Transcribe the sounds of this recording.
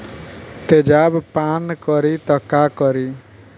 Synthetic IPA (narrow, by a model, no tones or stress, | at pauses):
t̪ed͡ʒabpankʌɾit̪ʌkːakɔɾi